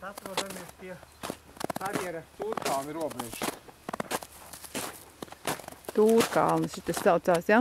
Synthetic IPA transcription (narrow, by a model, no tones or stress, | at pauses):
sat̪ɾuɔd̪amiɛspʲiɛ | kaɾjɛɾɐt̪uːɾkalˠniɾuɔbɾɛʒ | t̪uːɾka̰lˠnɨʃit̪assawt̪saːsja